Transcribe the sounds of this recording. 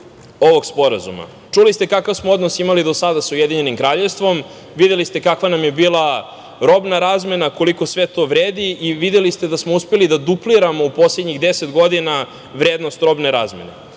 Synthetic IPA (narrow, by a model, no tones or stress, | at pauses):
oʋo̞ɡspo̞ɾazṵma̰ | t͡ʂulist̪ekakavsmoo̞d̪no̞simalid̪osad̪asujed̪iɲe̞nimkɾaːʎest̪ʋo̞m | ʋid̪e̞list̪e̞kakʋanamjebiːlˠa | ɾo̞bnaɾaːzme̞nako̞liko̞sʋe̞t̪o̞ʋɾeːd̪iʔiʋid̪elist̪ed̪asmouspelid̪ad̪upliɾamo̞upo̞sled̪ɲiɣd̪eset̪ɡo̞d̪ina | ʋɾeːd̪no̞st̪ɾo̞bne̞ɾaːzme̞̰ne̞̰